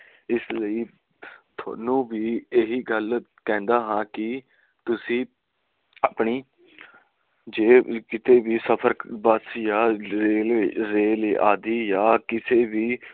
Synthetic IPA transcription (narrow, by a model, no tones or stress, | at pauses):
ɪsləiː | t̪ʰa̰ːnũːbiːeɦiːɡəlkɛ̃ːnd̪aːɦãːkɪ | t̪ʊsĩː | apɳiː | d͡ʒeːkɪt̪eːʋiːsəpʰəɾbəsjaːeːlɾeːlːʔaːd̪iːjaːkɪseːʋiː